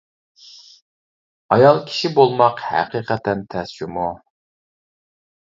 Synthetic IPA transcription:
ɑjɑlˠkʲʰi̥ʃibolˠmɑqhæ̰qiqʰɛt̪ʰɛnt̪ʰɛsd͡ʒimu

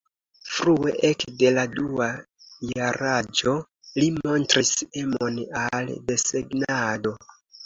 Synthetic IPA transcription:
fɾue̞̰ʔekde̞ladua | jaɾad͡ʒo̞ | limo̞ntɾise̞mo̞nalde̞seɡnado̞

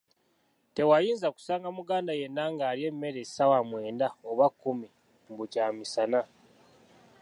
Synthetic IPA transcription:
te̞wajiːnzaku̥saːŋɡamuɡaːndaje̞nːaŋɡaːɾje̞mːe̞ɾesawamwe̞ːndaoβakːumi | mbucaːmisana

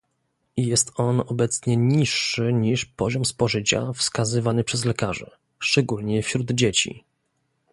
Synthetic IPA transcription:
jɛst̪ɔnɔbɛt̪sɲɛɲiʂːɘɲiʂpɔʑɔmspɔʐɘt͡ɕa̰fskazɘvanɘpʂɛzlɛkaʐɛ̰ | ʂt͡ʂɛɡulɲɛfɕɾud̪d͡ʑet͡ɕḭ

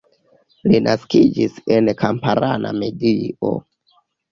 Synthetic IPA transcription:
linʔaskid͡ʒise̞nkʰampaɾanʔame̞dio̰

